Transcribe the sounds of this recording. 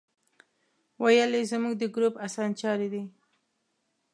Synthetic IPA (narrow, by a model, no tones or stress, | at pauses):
wajəlezmuɡ̚d̪əɡɾupasɑnt͡ʃɑɾed̪i